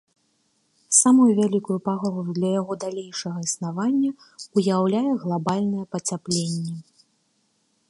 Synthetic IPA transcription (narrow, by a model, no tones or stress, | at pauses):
samujuvʲalʲikujupaɣɔlujud̪lʲɐjaɣɔd̪alʲejʂɐɣɐisnavanʲːɐ | ujawlʲajɛɣlˠabalʲnɨjɛpɐt͡sʲaplʲenʲːɛ